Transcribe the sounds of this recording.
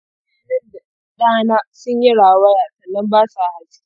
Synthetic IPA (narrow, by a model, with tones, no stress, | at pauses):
e˦dɐ˦da˨ | ɗaː˦˨naː˦sʊ˦ɲji˦ɽaː˨wɐ˦jaː˨sɐ˨nːɐ˦mbaː˦sa˨ha˨s